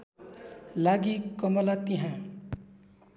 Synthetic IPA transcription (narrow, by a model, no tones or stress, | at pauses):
laɡikʌmʌlat̪iɦã